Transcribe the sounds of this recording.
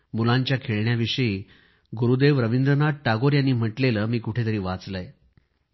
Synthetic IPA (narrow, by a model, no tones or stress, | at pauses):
mulaɲt͡ɕjakʰeɭɳjaʋiʂəiː | ɡuɾud̪eʋɾəʋind̪ɾənaʈ̚ʈaɡoɾjanːiːm̤əʈleləːmiːkuʈʰet̪əɾiːʋat͡sləj